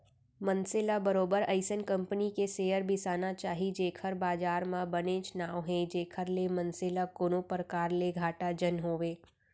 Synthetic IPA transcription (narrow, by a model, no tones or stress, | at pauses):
mə̃nsɪːlabəɾoːbəɾɐɪsənkɐ̃mpənikeseːjəɾbʱɪsaːnat͡ʃaːɦid͡ʒeːkʰəɾbaːd͡ʒaːɾmãbənẽt͡ʃnaːwɦɛ̃d͡ʒeːkʰəɾlemɐ̃nselakoːnõpɾəkaːɾleɡʱaːʈad͡ʒənɦoːʋeː